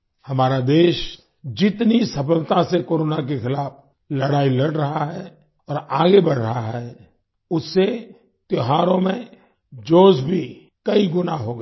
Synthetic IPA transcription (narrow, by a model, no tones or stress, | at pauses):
hɐmaːɾad̪eːʃ | d͡ʒɪt̪nisɐpəlt̪asekoːɾoːnak̬exɪlaːfʰ | lɐɽaːilɐɽɾɐɦaɦɛ | ɔːɾaːɡebɐɽ̤ɾɐɦaɦɛ | ʊsːe | t̪ɪɦaːɾõmẽ | d͡ʒoːsbʱi | kɐiɡʊnaɦoːɡa